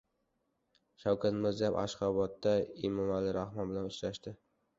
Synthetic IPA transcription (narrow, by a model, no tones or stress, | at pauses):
ʃawkʰat̪mɪɾzijaba̰ʃqɒbɒt̪ːaɪmɒmalːɪɾahmɒnbɪlanʊt͡ʃɾaʃt̪ɪ